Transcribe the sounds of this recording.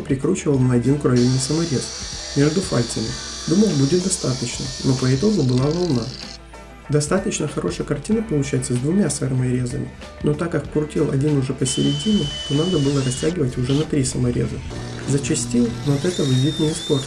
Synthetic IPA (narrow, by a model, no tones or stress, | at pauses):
pɾʲɪkɾut͡ɕɪvəlˠnɐɐdʲinkɾovʲɪnʲːɨjsəmɐɾʲe̞smʲeʐd̪ʊfalʲt̪ʲɪmʲɪd̪uməjˠbudʲɪt̪̚d̪ɐst̪at̪ət͡ɕnə̰no̞pəɪt̪o̞ɡʊbɨlˠavɐlˠna | d̪ɐst̪at̪ət͡ɕnəxɐɾʔo̞ʂəjəkɐrtʲinəpəlˠʊt͡ɕæjɪt̪səzʲd̪vʊmʲasfɛrmɐɾʲe̞zəmʲɪ̰ | no̞t̪akːɐkkʊrtʲilˠɐ̰dʲinʊʐɛpəsʲɪɾʲɪdʲinʊt̪o̞nad̪əbɨlˠəɾɐsʲtʲæɡʲɪvətʲʊʐɛnɐt̪ɾʲisəmɐɾʲe̞̰zə | zət͡ɕɪsʲtʲinɐt̪ɛt̪əvɨvʲit̪nʲɪɪspor